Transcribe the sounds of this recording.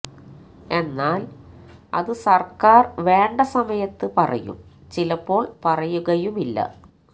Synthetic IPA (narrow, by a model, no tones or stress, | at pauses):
e̞nːaːlɐ̰ðɨsɐrkaːrʋe̞ːɳɖɐsɐmɐjɐt̪ːɨpɐrɐ̰jṵmt͡ɕilɐpːo̞ːɭpɐrɐjuɣɐjumilːɐ̰